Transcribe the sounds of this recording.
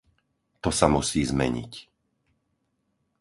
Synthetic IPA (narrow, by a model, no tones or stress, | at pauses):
t̪ɔsamusiːzmɛ̰ɲḭc